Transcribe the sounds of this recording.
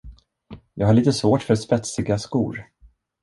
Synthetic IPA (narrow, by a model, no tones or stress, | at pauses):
jɑ̰ːɡhaɭiːt̪əsvoːʈfœɾspɛt̪sɪɡaskṵːɾ